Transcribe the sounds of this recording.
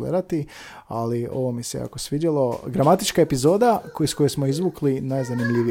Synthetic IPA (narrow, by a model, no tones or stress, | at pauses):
lḛd̪at̪i | alio̞̰ʋomiseja̰kosʋidalˠo̞ɡɾamat̪it͡ʃkae̞pizo̞ːd̪aksko̞jesmo̞izʋuklinajzanimʎʲiʋi